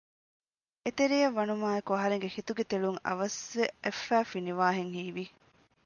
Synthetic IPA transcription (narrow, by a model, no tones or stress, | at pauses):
et̪eɾijɐʋːɐnumaːekuɐɦɐɾeŋɡehit̪uɡet̪eɭuŋɐ̰ʋɐsʋeefːæːfiniʋaːɦeŋhiːʋi